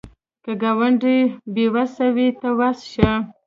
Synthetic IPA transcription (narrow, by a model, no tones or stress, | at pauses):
kəɡawaɳɖibewasawit̪awasʃa